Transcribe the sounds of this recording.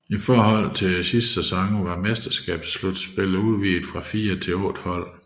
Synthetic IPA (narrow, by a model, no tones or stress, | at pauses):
ifɒːhɒ̽l̰t͡sʰe̝sisd̥sæsɒ̽ŋ̩ʋɑ̈mesd̥ɐsɡ̥ɛ̰ːb̥slud̥sb̥e̝luð̞ˠʋḭːd̥fʁɑ̈fiːɐt͡sʰe̝ɔ̽d̥hɒ̽l̰